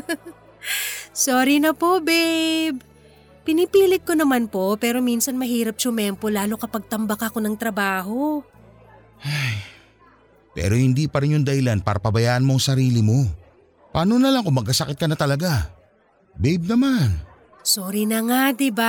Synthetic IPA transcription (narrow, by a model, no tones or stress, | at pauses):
soːɾɪnɐpo̞bɛjb̚ | pɪnɪpiːlɪt̪̚ko̞nɐmanpo̞pɛːɾo̞minsɐnmɐɦiːɾɐp̚ʃʊmɛmpolaːlokɐpɐɡ̚t̪ɐmbɐkɐko̞nɐŋt̪ɾɐbaːɦo̞ | ʔaj | pɛ̰ːɾo̞hɪnd̪iːpɐɾɪnjʊŋd̪ɐhɪlanpa̰ːɾɐpɐbɐjaːʔɐnmoŋsɐɾiːlɪmo̞ | paːnonɐlaŋkʊŋmːɐɡ̚kɐsɐkɪt̪̚kɐnɐt̪ɐlɐɡa | bɛjb̚nɐman | soːɾinɐŋad̪ɪba